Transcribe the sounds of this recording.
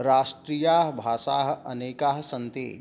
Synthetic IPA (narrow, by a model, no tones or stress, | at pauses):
ɾaːʃʈɾiːjaːɦbʱaːʃaːɦɐ̰neːkaɦsɐnt̪ḛː